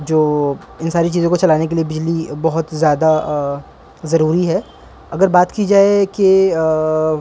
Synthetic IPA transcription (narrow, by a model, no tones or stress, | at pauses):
d͡ʒoː | ɪnsaːɾit͡ʃiːzõkot͡ʃɐlaːnek̬eliebɪd͡ʒlibɐɦʊt̪zjaːd̪a | zɐɾuːɾiɦɛː | ɐɡəɾbaːt̪kid͡ʒaːeke